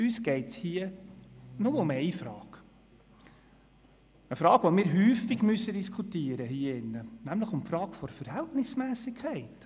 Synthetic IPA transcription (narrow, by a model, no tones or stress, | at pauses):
yːsɡ̥ɛɪthiːə | noməʊmɛɪfɾɑːɡ̥ | əfɾɑːɡ̥ʋɔmɪːɾɦyːfɪɡmysədiskχutiːəɾəhiːəɪnːənæmləχʊmpfɾɑːɡ̥fɔɾfəɾhɛltnɪsmæːsɪkʰɛɪt